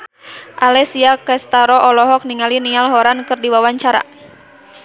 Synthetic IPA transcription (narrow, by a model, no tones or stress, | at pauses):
ʔalɛsiakɛst̪aɾɔʔɔlɔɦɔk̚niŋalinialɦɔɾankɨrdiwawaɲt͡ʃaɾa̰